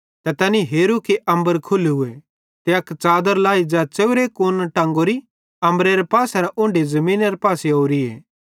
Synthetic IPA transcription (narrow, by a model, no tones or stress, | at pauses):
t̪ɐt̪ɐniɦeːɾukeʔɐ̃mbəɾkʰʊlɦʊe | t̪eɐkt͡ʃaːd̪əɾlaːid͡ʒat͡seːʊɾekonʈɐ̃ːŋɡoɾi | ɐ̃mbɾeɾepaːsaɾaʔʊ̃ːɳɖezɐmĩːnaɾepaːseoːɾiḛː